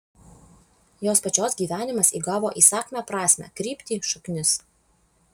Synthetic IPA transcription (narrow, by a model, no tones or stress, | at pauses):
joːspɐt͡ʃʲoːsɡʲiːʋʲæːnʲɪmɐsiːɡɑːʋoːʔiːsɑːkʲmʲæːpɾɑːsʲmʲæ̰ːkɾʲiːpʲt̪ʲiːʃʊknʲɪs